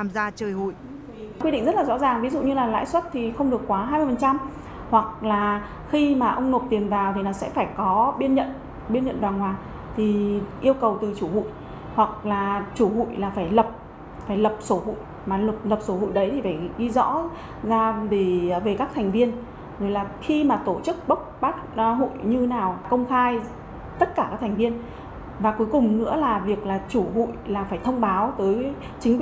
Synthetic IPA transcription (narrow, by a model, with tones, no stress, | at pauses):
aː˨˩mzaː˧t͡ɕəː˨˩jhṵ˧˨j | kwi˧ɗḭ˧˨ŋ̟zə˦˥t̚laː˨zɔ̰˧˥zaː˨˩ŋvi˨˦zṵ˧˨ɲɨ˧laː˨˩la̰ː˧˥jswə˦˥t̚t̪ʰi˨˩xə˧wŋ͡mɗɨ˨˩əkːwaː˨˦ɦaː˧jmɨ˧əfə˨˩nt͡ɕa˧m | hwa˨˩k̚laː˨˩ | xi˧maː˨˩ʔə˧wŋ͡mno˨˩t̚t̪i˨˩mvaː˨˩wt̪ʰi˨˩nɔ˨˩wsɛ̰˧˥faː˧˩jkɔ˨˦ɓi˧ənɲə̰˧˨n | ɓi˧ənɲə̰˧˨nvwaː˨˩nhwaː˨˩ | t̪ʰi˨˩ʔi˧əwkə˨˩wt̪ɨ˨˩t͡ɕu˧˩hṵ˧˨j | hwa˨˩k̚laː˨˩t͡ɕu˧˩hṵ˧˨jlaː˨˩faː˧˩jlə˨˩p̚ | faː˧˩jlə˨˩p̚so˨˦hṵ˧˨j | maː˨˩lə˨˩p̚lə˨˩p̚so˨˦hṵ˧˨jɗə˨˦jt̪ʰi˨˩faː˧˩jɗi˧zɔ̰˧˥ | zaː˧ve˧˩˨ve˨˩kaː˦˥k̚t̪ʰɛ˨˩ŋ̟vi˧ən | zo˨˦jlaː˨˩xi˧maː˨˩t̪o˧˩t͡ɕɨ˦˥k̚ɓə˦˥wk͡p̚ɓaː˦˥t̚ɦṵ˧˨jɲɨ˧naː˨˩wkə˧wŋ͡mxaː˧j | t̪ə˦˥t̚kaː˧˩kaː˦˥k̚t̪ʰŋvi˧ən | vaː˨˩ku˨˦jkʊ˨˩ŋ͡mnɨ̰˧˥əlaː˨˩vi˨˩ək̚laː˨˩t͡ɕu˧˩hṵ˧˨jlaː˨˩faː˧˩jt̪ʰə˧wŋ͡mɓaː˨˦wt̪əː˨˦j | t͡ɕï˨˦ŋ